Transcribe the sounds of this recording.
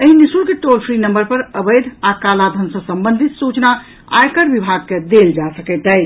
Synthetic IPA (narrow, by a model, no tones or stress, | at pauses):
əɦinisuɾkeʈolpʰɾinəmbəɾpəɾəbəjd̪ʱakalad̪ʱənsə̃səmbə̃nd̪ʱit̪sut͡ʃna | a̰jkəɾbibʱaɡ̚ked̪eld͡ʒasəkəjt̪əj